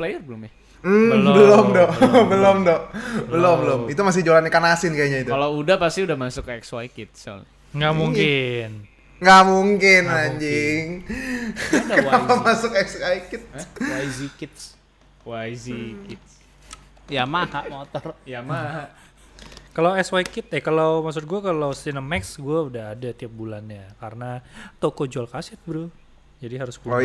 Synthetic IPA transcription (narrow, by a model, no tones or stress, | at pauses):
plajərbəlʊmja | m̩bbbəlʊmdɔʔbəlʊmdɔʔbəlʊmbəlʊmit̪umas̬ɪhd͡ʒolanakanasɪnkaɲait̪ukalawudahpast̪iudahmasʊkɛkswajkɪt̪̚sa̰l | ŋɡamuŋkɪn | ŋɡaʔmuŋkɪnaɲd͡ʒɪŋ | kaalamasʊkɛksaikɪt̪̚waizikɪt̪̚s | waizikɪt̪̚s | jamahaʔmot̪ɔrjamaɦa | kalawɛswajkɪt̪̚akalawmaks̬ʊt̪̚ɡuakalawsinəmɛksɡuaudahɦadat̪iap̚bulanjakaɾənat̪okod͡ʒalkasɛt̪̚bɾu | d͡ʒadiɦaɾʊsku